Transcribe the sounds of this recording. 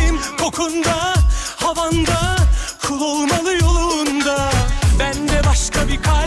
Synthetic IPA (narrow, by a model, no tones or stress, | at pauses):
mkʰo̞kʰund̪a | havand̪akʰulˠolˠmalˠɯjo̞lˠnd̪abænd̪ɛbaʃkʰabikʰa